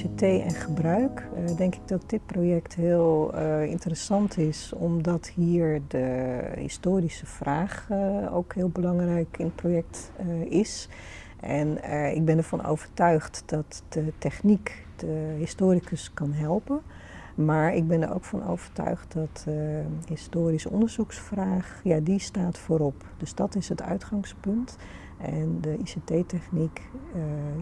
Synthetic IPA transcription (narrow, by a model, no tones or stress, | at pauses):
etejɛ̰nχəbrœɥkdɛŋkɪɡ̚dɑt̚dɪt̚projɛktɦɪːlˠɪ̰ntərəsɑntʰɪsɔmdɑthiːɹdəɦɪ̰stoːrisəfraːχo̰wkɦɪːlˠbəlɑŋrɛjkɪnət̚projɛk̚tɪs | ʔɛnɪ̰ɡ̚bɛnəɹvɑnʔo̰wv̥əɹtœɥχtd̥ɑtd̥ətɛχnik | d̥əɦɪstoːɾikʰəskɑnɦɛlˠpən | maːɹɪɡ̚bɛnəɾo̰wkfɑno̰wv̥əɹtœ̰ɥχt̚dɑtəhɪstoːɾisəɔndəɹzuksfraːχjadistaːtfoːɾɔp | d̥əzd̥ɑtɪsətœ̰ɥtχɑŋspɵnt | ʔɛndəʔisetejtɛχnik